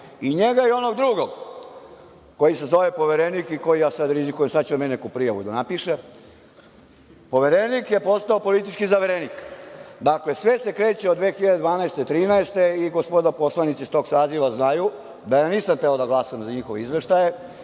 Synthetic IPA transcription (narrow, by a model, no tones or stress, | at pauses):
iɲeɡaio̞noɡd̪ɾuːɡoɡ | ko̞jisezoʋepo̞ʋeɾenikiko̞jijaːsad̪ɾizikujemsad̪t͡ɕt͡ʃumennekupɾijaʋud̪anapiʃe | po̞ʋeɾenikjepo̞st̪aopo̞lit̪̬it͡ʃkizaʋeɾenikd̪akle̞sʋe̞se̞kɾe̞ːt͡ɕeod̪ʋexiʎad̪ed̪ʋaːnaest̪et̪ɾiːnaest̪eiɡospod̪apo̞slˠanit̪sist̪o̞ːɡsaːziʋaznaju | d̪ajaːniːsamt̪eod̪aɡlˠaːsamzaɲixoʋeizʋeʃt̪aje̞